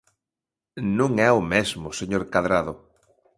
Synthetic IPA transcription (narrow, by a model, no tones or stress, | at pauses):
nũŋɛʊmezmʊseɲoɾkaðɾaðʊ